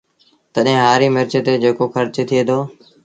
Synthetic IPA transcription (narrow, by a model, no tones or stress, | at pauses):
t̪əɗɦẽːɦaːɾiːmɪɾt͡ʃət̪eːd͡ʒeːkoːxəɾt͡ʃt̪ʰɪeːd̪oː